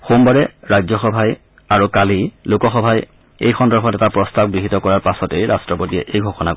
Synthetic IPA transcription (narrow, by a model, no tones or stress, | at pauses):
xombaɹɛɹazɔxɔbʱaj | aɹukalilokɔxɔbʱaj | ḛjxɔndɔɹkʰɔtɛtapɹɔstab̚ɡɹiɦitɔkɔɹaɹpasɔtejɹastɹɔpotijɛ̰ʔejɡʱɔxɔna